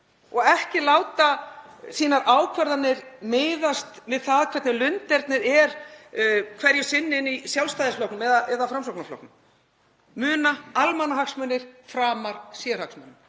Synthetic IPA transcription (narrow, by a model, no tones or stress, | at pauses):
ɔɣɛhcɪlaːwt̪asiːnaɾʔaːwkʰvɛɾðanːɪɾmɪːjðast̪vɪðθaðkʰvɛɾt̪nɪlʏnt̪ɛɾt̪nɪɾɛɾ | kʰvɛɾjɪsɪnːɪnːisjawlst̪ajðɪsflɔwknʏmɛðaʔɛðafɾams̬ɔwk̚naflɔ̰wknʏm | mʏːnaalmanːaɦaksmœnɪɾ̥fɾaːmaɾ̥sɛɾ̥haksmœnːɪ